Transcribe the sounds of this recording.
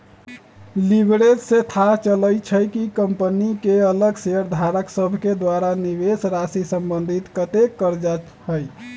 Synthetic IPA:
libɾed͡ʒset̪ʰat͡ʃələjt͡ʃʰəjkikəmpənikeələɡseəɾd̪ʱaɾəksəbʱked̪waɾaniβesɾasisəmbənd̪ʱit̪kət̪ekːəɾd͡ʒa | həj

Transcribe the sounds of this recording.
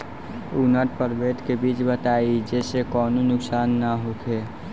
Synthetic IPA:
unəʈ̚pəɾbeːd̪kebiːt͡ʃbət̪aːid͡ʒesekɔːnunʊksaːnːaɦokʰe

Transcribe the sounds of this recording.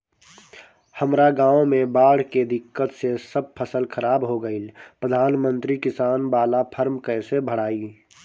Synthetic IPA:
həmɾaɡãːõmẽbaːɽ̤ked̪ɪkːət̪sesəb̚pʰəsəlkʰəɾaːbɦoɡəilpɾəd̪ʱaːnmə̃nt̪ɾikɪsaːnbaːlapʰəɾmkə̃ɪsebʱəɽaːiː

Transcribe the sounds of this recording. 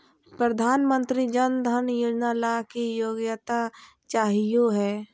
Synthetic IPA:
pɾəd̪ʱaːnmə̃nt̪ɾid͡ʒənd̪ʱənjud͡ʒnaːlakijoːɡjət̪a | t͡ʃaːɦijoɦɛː

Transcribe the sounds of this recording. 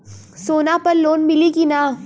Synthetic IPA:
soːnapɐɾloːnmɪlikinaː

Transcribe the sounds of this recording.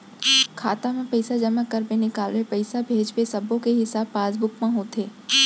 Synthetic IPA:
kʰaːt̪amẽpəɪsad͡ʒɐmakɐɾbenɪkaːlʋẽpɐɪsabʱeːd͡ʒbesɐbõkeɦɪsaːb̚paːzbʊkmãɦot̪ʰeː

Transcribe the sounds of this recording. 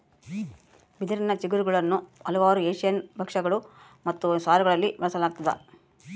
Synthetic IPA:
bid̪ɐɾinɐt͡ʃiɡuɾuɡɐɭɐnːuɐlɐʋaːɾueːʂijɐnbʱɐkʂɐɡɐɭu | mɐt̪ːusaːɾɐɡɐɭɐlːiʋɐɭɐsɐlaːɡ̚t̪ɐd̪ɐ̰

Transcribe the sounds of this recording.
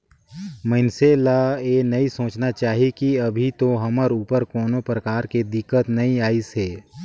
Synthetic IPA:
mənselaenɐisõːt͡ʃnat͡ʃaːɦikiɐbʱit̪oɦɐməɾuːpəɾkoːnopɾəkaːɾked̪ɪkːət̪nɐĩaːiseː

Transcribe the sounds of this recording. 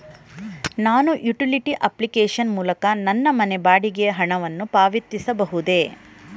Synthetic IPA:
naːnuʔjuʈiliʈiʔɐplikeːʂɐnmuːlɐkɐnɐnːɐmɐnebaːɽiɡeɐɦɐɳɐʋɐnːupaːʋit̪ːisɐbɐɦud̪e̞

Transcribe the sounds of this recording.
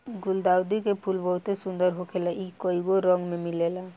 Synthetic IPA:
ɡuld̪awd̪ikepʰulbəɦut̪esund̪əɾɦokʰelaʔikəiɡoɾəŋɡmemilela

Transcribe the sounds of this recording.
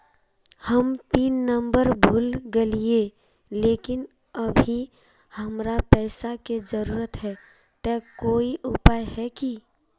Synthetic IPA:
həmt̪inːəmbəɾbʱulɡelije | lekin | əbʱi | həmɾapɛɪsaked͡ʒəɾuɾət̪ɦɛ | t̪ɛkoiʔupajɦɛki

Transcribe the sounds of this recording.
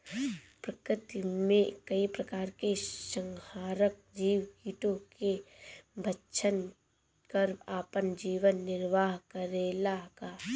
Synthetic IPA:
pɾəkɾɪt̪imẽkɐipɾɐkaːɾkeʃə̃ŋhaːɾək̚d͡ʒiːwɡiːʈõkebʱətːʃʰən | kəɾaːpənd͡ʒiːʋənːɪɾʋaːɦkəɾeːlakaː

